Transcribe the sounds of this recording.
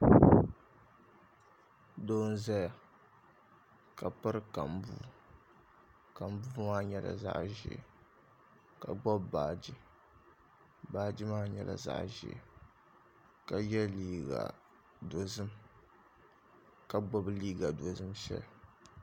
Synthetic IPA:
doː˦n̩˦za˦ja˨ | ka˨pɨ˦ɾɨ˦ka˨m˨bṵː˦˨ | ka˨m˦buː˦maː˦ɲɛ˦la̰˨za̰˦ʔʒ̰ | ka˨ɡ͡bɔ˦bbaː˨d͡ʒi˦ | baː˦d͡ʒi˦maː˦ɲɛ˨la̰˨za̰˦ʔʒɪ̰˨ | ka˨jɛ˦liː˦ɡa̰˨ | do˨zɨ˦m | ka˨ɡ͡bɔ˦bliː˦ɡa˨do˨zɨ˦mʃɛ̰˦l

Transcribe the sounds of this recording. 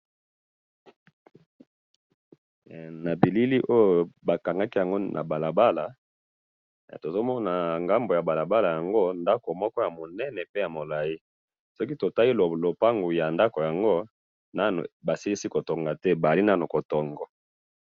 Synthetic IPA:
na˨bi˨li˦li˦ʔo˦jo˨ba˨ka˨ŋɡa˦ki˦ja˨ŋɡo˦nʔa̰˨ba˨la˨ba˦la˨ | to˨zo˦mɔ˦na˨ŋɡa˦mbo˨ja˨ba˨la˨ba˦la˨ja˨ŋɡo˦nda˦ko˨mɔ˦kɔ˦ja˨mo˨nɛ˦nɛ˨pe˦ja˨mo˨la˨ji˦ | sɔ˦ki˦to˨ta˦i˦llo˨pa˦ŋɡu˨ja˨nda˦ko˨ja˨ŋɡo˦ | na˦nṵ˨ba˨si˦li˦si˦ko˨to˨ŋɡa˨tɛ˦ba˨li˦na˦nu˨ko˨tɔ˨ŋɡɔ˨

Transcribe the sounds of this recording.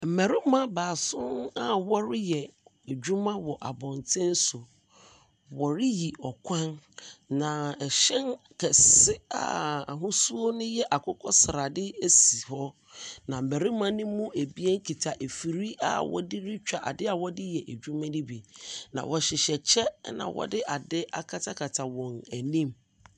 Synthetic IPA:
m̩˨mɛ˨ɾɪ˦mã˦baː˨sʊ̃˦na˦wɔ˦ɾɪ˦jɛ˨ | e˨d͡ʑᶣu˦mã˦wɔ˨ʔa˨bɔ̃˨ntʰɪ̃˦n̩˦sʊ˨ | wɔ˨ɾɪ˦ji˨ɔ˨kʷʰã˦nnã˨ɛ˨ɕɛ̃˦n | kʰɛ˨sɪ˦a̰˨a˨ɦʊ̃˦su˦o˦nʊ̃˦jɛ˦ʔa˨kʰɔ˦kʰɔ˦sɾa˨dɪ˦e˦si˨hɔ˦ | nã˨m̩˨mɛ˨ɾi˦mã˦nɪ̃˦mːũ˦ʔe˨bi˦ɛ˦ŋ̩˦kʰi˨tʰa˨ʔe˨fi˨ɾi˦a̰˨wɔ̰˦dɪ˦ɾɪ˦t͡ɕᶣa˨ʔa̰˨dɪ˦a˨wɔ˦dɪ˦jɛ˨ʔe˨d͡ʑᶣu˦mã˦nɪ̃˦bi˨nã̰˨wɔ˨ɕɪ˨ɕɛ˨t͡ɕʰɛ˦nã̰˨wɔ̰˦dɪ˦ʔa˨dɪ˦ʔa˨kʰa˦tʰa˦kʰa˨tʰa˨wɔ̃˨næ˨nĩ˦m

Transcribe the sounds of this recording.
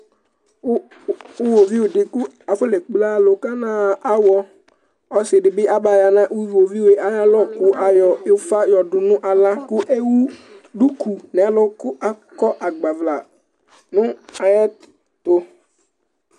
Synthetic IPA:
u˦vo˨vi˦wʊ˨dɪ˨kʊ˦ | a˨fʊ˦le˨k͡pla˦lʊ˨ka˦nãː˦a˦wɔ˦ | ɔ˨sɪ˨dɪ˨bɪ˦ʔa˦ba˨ja˨nã˦ʔu˦vo˨vi˦we˦ʔa˨ja˦lɔ˦kʊ˦ʔa˨jɔ˨ɪ˦fa˦jɔ˨dʊ˨nʊ̃˦ʔa˨lã˦kʊ˦ʔe˦wu˦ɖu˦ku˨nɛ˨˦lɔ˦kʊ˦ʔa˦kɔ˦ʔa˨ɡ͡ba˨vla˨ | nʊ̃˦a˨jɛ˦t | to˨

